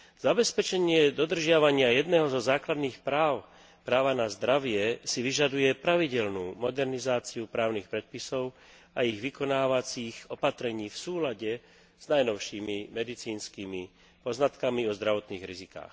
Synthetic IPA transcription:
z̥abɛspɛt͡ʃɛɲɪɛd̪ɔd̪r̩ʒɪaʋaɲɪajɛd̪nɛɦɔzɔzaːklad̪niːxpɾaːʊ | pɾaːʋanazd̪ɾaʋɪɛsiʋiʒad̪ujɛpɾaʋiɟɛlnuːmɔd̪ɛɾnizaːt͡siupɾaːʊnixpɾɛt̪̚pisɔʊ | aiɣʋikɔnaːʋat͡siɣɔpat̪ɾɛɲiːfsuːlaɟɛ | z̥najnɔʊʃiːmimɛd̪it͡siːnskiːmi | pɔznat̪kamiɔzd̪ɾaʋɔt̪niːɣɾizika̰ːx

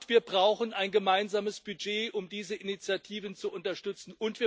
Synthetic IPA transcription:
tv̥iːɐbʁaʊxənʔaɪnɡəmaɪnzaːməsb̥yd͡ʒeːʔʊmdiːzəʔɪnit͡sjatʰiːvənt͡suʔʊntɐʃtʏt͡sn̩ʔʊntv̥iːɐ

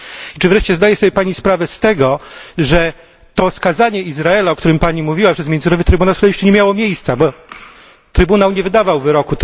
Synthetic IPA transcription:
it͡ʂɘvɾɛʂt͡ɕɛzd̪ajɛsɔbʲjɛpaɲispɾavɛst̪ɛɡɔʐɛ | t̪ɔskazaɲɛizɾaɛlaɔkt̪uɾɘmpaɲimuvʲiwapʂɛzmʲjɛnzɨnɔvɘt̪ɾɘbunawsɛjɛʂt͡ʃɛɲɛmʲjawɔmʲjejst̪sabɔ | t̪ɾɘbunawɲɛvɘd̪avawvɘɾɔku

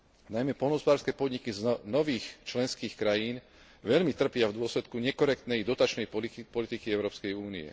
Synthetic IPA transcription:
najmɛpɔlnɔɦɔspɔd̪aːɾskɛːpɔd̪ɲikiznɔʋiːxt͡ʃlɛnskiːxkɾajiːn | ʋɛʎmit̪r̩pɪavd̪ʊɔslɛt̪kuɲɛkɔɾɛk̚t̪nɛjd̪ɔt̪at͡ʃnɛjpɔlit̪ikiɛʊɾɔːpskɛjuːniɛ̰

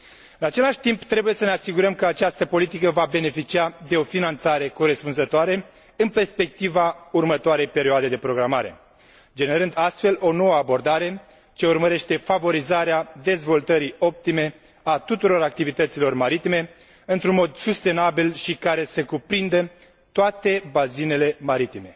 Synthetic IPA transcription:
ɨnat͡ʃe̞laʃt̪impt̪ɾe̞buje̞səne̞asiɡuɾəmkəat͡ʃast̪əpo̞lit̪ikəvabe̞ne̞fit͡ʃiad̪e̞o̞finant̪saɾe̞ko̞ɾe̞spunzət̪oaɾe̞ | ɨnpe̞rspe̞k̚t̪ivaurmət̪oaɾe̞jpe̞ɾioad̪e̞d̪e̞pɾo̞ɡɾamaɾe̞̰ | d͡ʒe̞ne̞ɾɨnd̪ast̪fe̞lo̞no̞wəabo̞rd̪aɾe̞ | t͡ʃe̞urməɾe̞ʃt̪e̞favo̞ɾizaɾead̪e̞zvo̞lt̪əɾio̞p̚t̪ime̞ | at̪ut̪uɾo̞ɾak̚t̪ivit̪ət̪silo̞rmaɾit̪ime̞ | ɨnt̪ɾunmo̞d̪sust̪e̞nabilʃikaɾe̞sekupɾind̪ə | t̪oat̪e̞bazine̞le̞maɾit̪ime̞

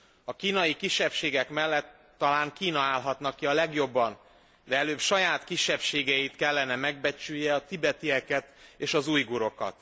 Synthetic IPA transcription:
ɒkiːnɒjikiʃːɛpʃeːɡɛkmɛlːɛt̪ːɒlaːŋkiːnɒaːlɦɒt̪nɒkːiɒlɛɡjo̞bːɒn | d̪ɛɛløːpʃɒjaːt̪kiʃːɛpʃeːɡɛjit̪kɛlːɛnɛmɛɡ̚bɛt͡ʃyjːɛɒt̪ibɛt̪iɛkɛt̪eːʃɒzuːjɡuɾo̞kɒ̰t̪

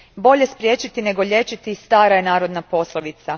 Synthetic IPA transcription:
bo̞ʎe̞spɾje̞ːt͡ʃit̪ine̞ɡo̞ʎe̞t͡ʃit̪ist̪aːɾajenaːɾo̞d̪napo̞slˠoʋit̪sa

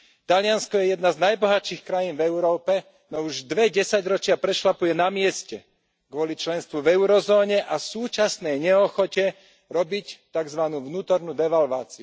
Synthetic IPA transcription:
t̪aʎɪanskɔjɛjɛd̪naznajbɔɦaʃixkɾajiːnvɛʊɾɔːpɛ | nɔuʒd̪ʋɛɟɛsaɟɾɔt͡ʃɪapɾɛʃlapujɛnamɪɛscɛ | ɡʋɔlit͡ʃlɛnst̪ʋuvɛʊɾɔzɔːɲɛʔasuːt͡ʃasnɛjɲɛɔxɔcɛ | ɾɔbict̪aɡzʋanuːvnuːt̪ɔɾnud̪ɛʋalʋaːt͡siu

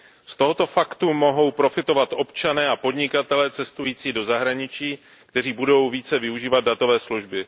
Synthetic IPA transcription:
st̪o̞ɦo̞t̪o̞fakt̪umo̞ɦo̞wpɾo̞fɪt̪o̞vat̪ʔo̞pt͡ʃanɛːapo̞dɲɪkat̪ɛlɛːt͡sɛst̪ujiːt͡siːdo̞zaɦɾaɲɪt͡ʃiː | kt̪ɛr̝iːbudo̞wviːt͡sɛvɪuʒiːvad̪̚dat̪o̞vɛːsluʒbɪ

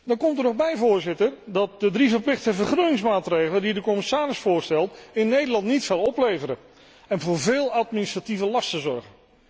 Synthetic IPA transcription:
dɑnkɔmtənɔχbɛjvʊːɹzɪtərdɑt̚dədrivəɹplɪχtəvəɹχrønɪŋs̬maːtrejχləndidəkɔmɪsaːɾɪsfʊːɹstɛlˠtɪnːejdəlɑntnitfɪlˠɔplejvəɾə | ɛnvʊːɹvɪːlˠɑtministrativəlɑstəzɔ̰ɹχən

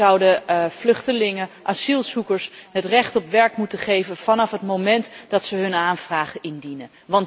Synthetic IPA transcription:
ʌwdəvlɵχtəlɪŋəʔasilˠzukəɹsɦətrɛχtɔpʋɛɹkmutəχejvənv̥ɑnɑfɦətmowmɛntdɑtsəɦɵnaːnvraːχəʔɪndinə | ʋɑnt

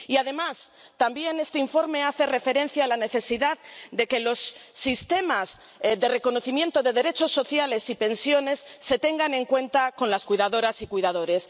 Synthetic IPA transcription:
iaðe̞mas | t̪ambje̞ne̞st̪eiɱfo̞ɾme̞aθe̞re̞fe̞ɾe̞n̟θjaːlane̞θe̞siðaðd̪e̞ke̞lo̞sːist̪e̞maz | ðe̞re̞ko̞no̞θimje̞nt̪o̞ðe̞ðe̞ɾe̞t͡ʃo̞sːo̞θjale̞sipe̞nsjo̞ne̞sːe̞t̪e̞ŋɡane̞ŋkwe̞nt̪ako̞nlaskwuijðaðo̞ɾasikwuijðað̞o̞ɾe̞s

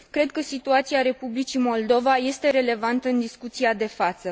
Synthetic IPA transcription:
kɾe̞d̪kəsit̪uat̪siaɾe̞publit͡ʃimo̞ld̪o̞vaje̞st̪e̞ɾe̞le̞vant̪əɨnd̪iskut̪siad̪e̞fat̪sə

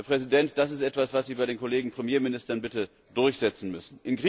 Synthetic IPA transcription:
ɐpʁ̥ɛzidɛntd̥as̬ɪstʔɛtv̥asv̥asz̥iːbaɪɾeːnkoleːɡŋ̩pʁ̥emjeːɐmɪnɪstɐnbɪtə | d̥ʊɐçz̥ɛt͡sn̩mʏsn̩ʔɪnɡʁi

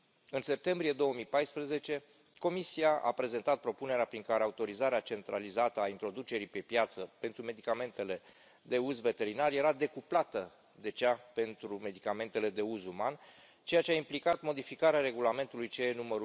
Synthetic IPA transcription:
ɨnse̞p̚t̪e̞mbɾije̞d̪o̞wəmijpajspɾəze̞t͡ʃe̞ | ko̞misiaʔa̰pɾe̞ze̞nt̪at̪̚pɾo̞pune̞ɾeapɾiŋkaɾe̞aut̪o̞ɾizaɾeat͡ʃe̞nt̪ɾa̰lizat̪əaint̪ɾo̞d̪ut͡ʃe̞ɾipe̞pjat̪səpe̞nt̪ɾume̞d̪ikame̞nt̪e̞le̞ | d̪e̞uzve̞t̪e̞ɾinarje̞ɾad̪e̞kuplat̪ə | d̪e̞ʒape̞nt̪ɾume̞d̪ikame̞nt̪e̞le̞d̪e̞uzuman | t͡ʃe̞jat͡ʃeaimplikat̪mo̞d̪ifikaɾeaɾe̞ɡulame̞nt̪ulujt͡ʃejenuməɾu

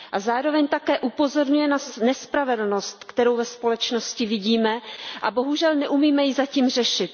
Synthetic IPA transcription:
ʔazaːɾo̞vɛɲt̪akɛːʔupo̞zo̞ɾɲujɛnanɛspɾavɛdl̩no̞st̪kt̪ɛɾo̞wvɛspo̞lɛt͡ʃno̞scɪvɪɟiːmɛʔabo̞ɦuʒɛlnɛʔumiːmɛjɪzaciːmr̝ɛʃɪt̪̚

